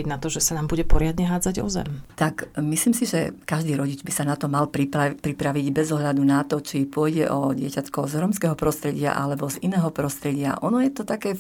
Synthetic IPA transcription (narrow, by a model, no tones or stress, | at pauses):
iɟnat̪ɔʒɛsanaːmbuɟɛpɔɾɪad̪ɲɛɦaːd͡zaɟɔ̰zɛ̰mt̪akmisliːmsiʒɛkaʒd̪iːɾɔɟid͡ʒbisanat̪ɔmalpɾipapɾipɾaʋiɟbɛzɔɦʎad̪unat̪ɔt͡ʃipʊɔjɟɛ̰ʔɔɟɪɛcat̪kɔʊzɾɔmskɛːɦɔpɾɔst̪ɾɛɟɪa̰ʔa̰lɛbɔzinɛːɦɔpɾɔst̪ɾɛɟɪa̰ʔɔnɔjɛt̪ɔt̪akɛː